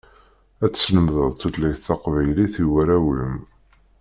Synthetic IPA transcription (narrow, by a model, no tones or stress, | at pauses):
æt͡sːsnəmðəðˤt̪ut̪læjθːɑqvæjliθiwæɾæwlə̰m